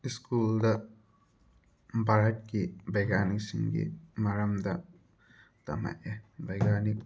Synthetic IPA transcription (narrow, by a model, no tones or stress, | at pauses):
iskuːld̪ɐ | bʱaɾɐʈ̚kibɐɡaːniksḭ̃ŋɡḭmɐɾɐmd̪ɐ | t̪ɐ̰mɐ̰ʔebɐɡaːnik